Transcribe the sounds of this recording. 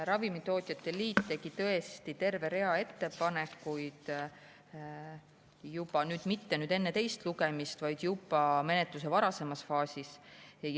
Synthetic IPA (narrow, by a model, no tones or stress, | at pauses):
ɾɑvimit̪o̞ːt̪ʲˑjɑt̪ːˑe̞liːt̪ːe̞ɡ̥it̪ɤ̞e̞st̪it̪e̞rve̞ɾe̞ɑe̞t̪ːe̞pɑne̞kːˑujd̪̥ | jubɑnyːd̪̥mit̪ːe̞nyːd̪e̞nːe̞t̪e̞jst̪luɡ̥e̞mist̪vɑjd̪̥jub̥ɑme̞ne̞t̪lus̬evɑɾɑse̞mɑsfɑːsis